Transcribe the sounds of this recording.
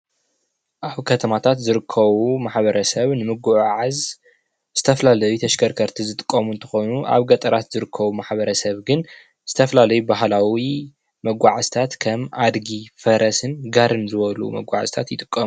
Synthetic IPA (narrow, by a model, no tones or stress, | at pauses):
ʔaβkʰɐt̪ʰɐmat̪ʰat̪zɨɾɨkʰːɐβumaħβɐɾɐsɐβnɨmɨɡuʕʕaz | z̥ɨt̪ʰɐfɐlalɐjut̪ʰɐʃɡʰɐɾkʰɐɾt̪ʰizɨt̪ʼɨ̥kʼːɐmunt̪ʰɐ̥xo̞jnuʔa̰βɡɐt̪ʼɐɾat̪zɨɾɨkʰːɐβumaħbɐɾɐsɐβɡɨn | z̥ɨt̪ʰɐfɐlalɐjubaɦlawi | mɐɡʷaʕast̪ʰat̪kʰɐmad̪ɡifɐɾʔɐsɨnɡaɾɨnzɨβɐlṵmɐ̰ɡʷaʕa̰zt̪ʰat̪jɪt̪ʼɨkʼːɐmu